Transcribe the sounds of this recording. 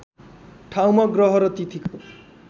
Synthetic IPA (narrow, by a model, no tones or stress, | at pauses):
ʈʰawmʌɡɾɔɦʌɾʌt̪it̪ʰiko